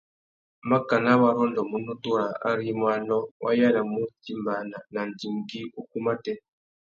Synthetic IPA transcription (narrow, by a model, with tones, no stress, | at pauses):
ma˦ka˨na˦βa˨ɾɔ˦ndɔ˨mu˨nu˦tu˦ɾa˨ʔa̰˦ɾi˦mwa˨nɔ˦wʔa̰˦ja˦la˨mu˦t͡si˦˨mba˨na˨na˨ndi˨ŋɡi˦u˦ku˦ma˦tɛ˦